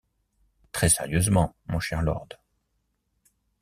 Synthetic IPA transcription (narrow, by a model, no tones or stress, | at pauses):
t̪χɛsɛʁjøzmɑ̃mɔ̃ʃɛʁlɔ̰ʁd̪